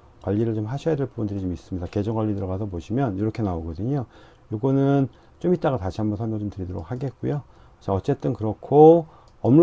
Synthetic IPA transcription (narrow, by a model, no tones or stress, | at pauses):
kwaʎːiɾɯɭt͡ɕomɦaɕʰʌjade̞ɭpubundɯɾit͡ɕomis͈ɯmɲidake̞d͡ʑʌŋɡwaʎːidɯɾʌɡasʰʌboɕʰimjʌniɾʌkʰe̞naoɡʌdɯɲo | joɡonɯn | t͡ɕomit̚t͈aɣataɕʰiɦambʌnsʰʌɭmjʌt͡ɕomtɯɾidʌɾo̰k̚haɡet̚k͈ujo | t͡ɕaʌt͡ɕ͈e̞t͈ɯnkɯɾʌkʰo | ʌm